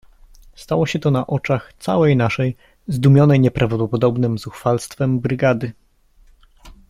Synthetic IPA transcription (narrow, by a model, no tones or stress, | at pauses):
st̪awɔɕɛt̪ɔnaʔɔt͡ʂaxt̪sa̰wɛjnaʂɛj | zd̪umʲjɔnɛjɲɛpɾʔavd̪ɔɔpɔd̪ɔbnɘmzuxfalst̪fɛmbɾɘɡad̪ɘ